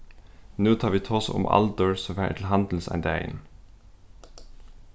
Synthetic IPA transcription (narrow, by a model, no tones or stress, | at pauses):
nuːt̪ʰɑːʋiːt̪ʰoːsə̰ʔʊ̰mʔɑ̰ld̪əɹsɔfæ̰tʰl̩ɦɑnd̪l̩sæ̰ɪnd̪æɪ̰n